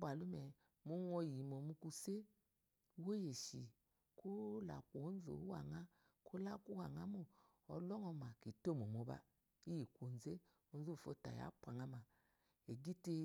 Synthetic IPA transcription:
ba˨lu˦mɛ˨ | mo˦ŋɔ˧ji˨mo˨mu˧ku˧se˦ | wo˦je˨ʃi˨ | ko˦la̰˨kʷo˨o˦n˦zo̰˨˦wa̰˨ŋa˦ | ko˦la˦ku˦wa˨ŋa˦mo˦˨ | ɔ˧lɔ˦ŋɔ˧ma˨ki˨to˦˨mo˨mo˨˦ba̰˧ | i˦ji˨kʷo˨n˨ze˦ | o˨˧n˦zo˦˨fo˧ta̰˨ja̰˨˦pʷa˨ŋa˧ma˨ | e˨ɡi˦te˧

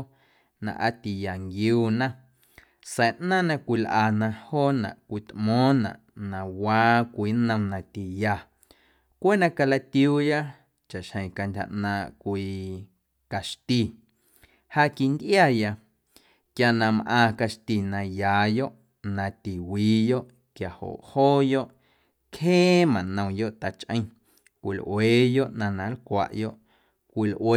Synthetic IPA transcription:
nã̰˧˨ʔa˧t̪i˨ja˨ŋɡjuː˦˧nã˦ | sɛ˨ʔnãː˦nã˧kʷi˧lʔaː˧˨nã˧hoː˦nã̰˨ʔkʷi˧t̪ʔmɔ̃ː˦nã̰˨ʔnã˨waː˧˦kʷiː˨˦nə̃˧nã˨t̪i˨ja˨ | kʷeː˦nã˧ka˧la˧t̪juː˧ja˦ | t͡ʃa˨ʔʃhə̃˨j̃ka˧ndʲha̰˨ʔnãː˧ʔkʷiː˧ | ka˨ʃt̪i˧˨ | ha˧ʔki˧nd̪ʔja˦˨ja˧ | kja˧nã˧mʔãː˧ka˧ʃt̪i˨nã˧jaː˨˦jo˦ʔ | nã˧t̪i˨wiː˨˦jo˦ʔ | kja˨ho̰˨ʔhoː˦jo˦ʔ | khẽː˦mã˨nə̃˨jo˦ʔt̪a˧˨t͡ʃʔə̰̃˧j̃ | kʷi˨lʔweː˨˦jo˦ʔnã˧nã˨˦lkʷa̰˨ʔjo˦ʔ | kʷi˧lʔweː˧

